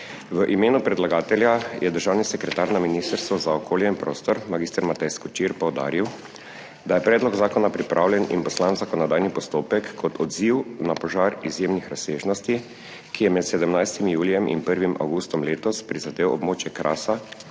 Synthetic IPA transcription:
ʋəʔimeːnupɾɛd̪laɡaːt̪ɛljajʔɛd̪əɾʒaːwnisɛkɾɛt̪aɾnaminiːst̪əɾst̪ʋɔzaɔkʰoːljɛinpɾoːst̪ɔɾmaɡiːst̪əɾmat̪ɛjskɔt͡ʃiɾpɔwd̪a̰ːɾiw | d̪ajɛpɾɛːd̪lɔɡzaːkɔnapɾipɾʔawlʲjɛnḭnpɔslanzakɔnɔd̪aːjnipɔst̪oːpɛkːɔt̪ʰɔd̪ziwnapɔʒaːɾizjeːmnixɾasːeːʒnɔst̪i | kijɛmɛt̪sɛd̪ɛmnajst̪imjuːlijɛmʔḭnpəɾʋimʔa̰wɡuːst̪ɔmleːt̪ɔspɾizad̪eːwɔ̰bmoːt͡ʃjɛkɾʔa̰ːsa

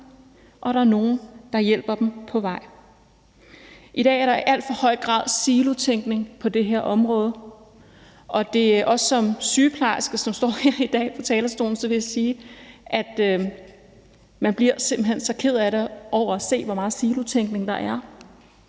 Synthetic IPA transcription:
ʔɒ̽ɾɑ̈æɐno̝ːn̩d̥ɑ̈jel̰b̥ɐd̥empʰɒ̽ʋɑ̈ɪ̰ | ʔid̥ɛ̰ːæɐɾɑ̈iʔæl̰d̥fɒ̽hɒ̽ɪ̰ɡ̥ʁɑ̰̈ːð̰ˠsiːlut͡sʰeŋ̰ɡ̥ne̝ŋpʰɒ̽d̥e̝ɦeɐ̰ʔɒ̽mʁɔ̽ːð̞ˠə | ʔɒ̽d̥e̝ʔɒ̽ssɒ̽msyːpʰlɑ̈ɪsɡ̥əsɒ̽msd̥ɒ̰ːhe̝ɐ̰id̥ɛ̰ːpʰɒ̽t͡sʰɛːlɐsd̥o̝ːln̩sɒ̽ʋe̝jasiːʔæd̥ | mænb̥liɐse̝mb̥l̩ɦensɒ̽kʰe̝ð̞̰ˠæɾe̝ʔɒʊ̰ɐæse̝̰ːʋɒmɑ̈ːð̩ˠsiːlut͡sʰeŋ̰ɡ̥ne̝ŋd̥ɑ̈ʔæɐ

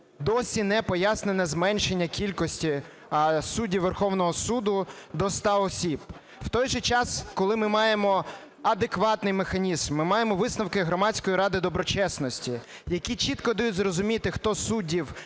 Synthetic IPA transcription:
d̪ɔsʲinɛpɔjasnenɛzmɛnʲʃenʲːɐkʲilʲkɔsʲtʲi | sudʲiʋːerxɔwnɔɦɔsud̪ʊd̪ɔst̪ɑɔsʲib | wt̪ɔjʒɛt͡ʃɑskɔlˠɪmɪmɑjemɔ | ɐd̪ekʋɑt̪nɪjmexɐnʲizmːɪmɑjemɔʋɪsnɐwkɪɦɾɔmɑtʲt͡sʲkɔjiɾɑd̪ɪd̪ɔbɾɔt͡ʃɛsnɔsʲtʲi | jɐkʲit͡ʃit̪kɔd̪ɐjutʲzrɔzʊmʲit̪ɪxt̪ɔsudʲiw

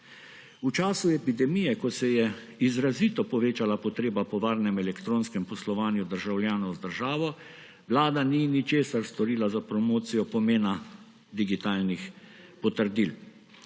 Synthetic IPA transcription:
ut͡ʃaːsuɛpid̪ɛmijɛkɔsɛjɛ | izɾaziːt̪ɔpɔʋeːt͡ʃalapɔt̪ɾeːbapɔʋaːɾnɛmɛlɛkt̪ɾoːnskɛmpɔslɔʋaːnjud̪əɾʒawljaːnɔwzd̪əɾʒaːʋɔ | ʋlaːd̪aninit͡ʃeːsaɾst̪ɔɾiːlazapɾɔmoːt̪sijɔpɔmeːna | d̪iɡit̪aːlnixpɔt̪əɾd̪il

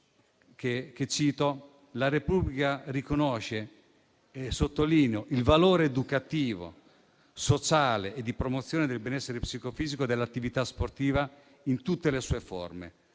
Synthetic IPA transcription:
keket͡ʃːiːt̪o | laɾepublikarikonɔʃːe | esot̪ːoliːneoʔilvaloːɾeːd̪ukat̪iːvo̰ | sot͡ʃaːleːd̪ːipɾomot̪sːjoːned̪elbɛnɛsːeɾepsikofiːzikod̪elːat̪ːivit̪asport̪iːva | int̪ut̪ːelesuːefo̰rmḛ

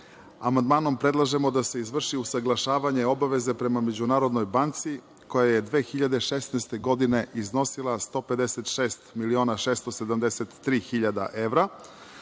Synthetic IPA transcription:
amand̪maːno̞mpɾe̞d̪lˠaʒe̞mo̞d̪ase̞izʋr̩ʃiusaɡlˠaʃaːʋaɲeo̞baʋe̞ze̞pɾe̞mame̞d͡ʑunaːɾo̞d̪no̞jbant̪si | ko̞jajed̪ʋe̞ːxiʎad̪eʃesneːst̪e̞ɡo̞d̪ine̞ʔizno̞silˠast̪o̞ːpe̞d̪eset̪ʃeːst̪milio̞ːnaʃeːst̪osed̪amd̪eset̪ːɾiːxiʎad̪a̰ʔe̞ʋvɾa

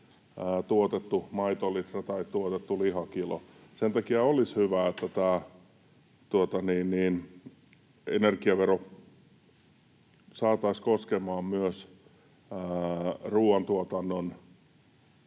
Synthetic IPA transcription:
əːt̪uot̪et̪ːumɑit̪olit̪rɑt̪ɑit̪t̪uot̪et̪ːulihɑkilo̰sent̪ɑkiɑolishyʋæet̪ːæt̪æː | t̪uot̪ɑniːnniːn | enerkiɑʋero | sɑːt̪ɑiskoskemɑːmmyøs | əːruːɑnt̪uot̪ɑnːon

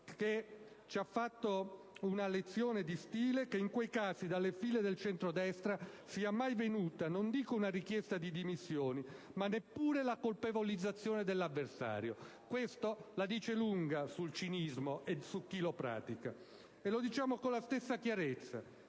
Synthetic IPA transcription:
ke | t͡ʃiafːat̪ːo | unalet̪sːjoːned̪ist̪iːlekeiŋkwejkaːzid̪alːefiːled̪elt͡ʃɛnt̪ɾod̪ɛst̪ɾasiːamːajvenuːt̪anond̪iːkounarik̟jɛst̪ad̪id̪imisːjoːnimanːepːuːɾelakolpevolid̪zːat̪sːjoːned̪elːavːersa̰ːɾjo | kwest̪olad̪iːt͡ʃeluŋɡasult͡ʃinizmoesukːilopɾa̰ːt̪ika̰ | elod̪it͡ʃaːmokolːast̪esːakjaɾet̪sːa̰

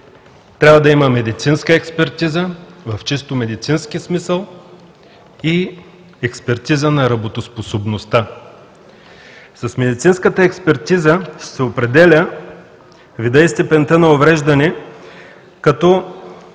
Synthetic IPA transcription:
t̪ɾʲavəd̪ɐiməmɛd̪it̪sinskəɛkspɛɾt̪izəvɐft͡ʃist̪omɛd̪it̪sinsk̟ismisəlˠ | i | ɛkspɛɾt̪izənɐɾɐbot̪osposobnost̪a | sɐsmɛd̪it̪sinskət̪əɛkspɛɾt̪izəsɛopɾɛd̪ɛlʲə | vid̪əist̪ɛpɛnt̪ənɐovɾɛʒd̪ɐnɛ | kɐt̪ɔ

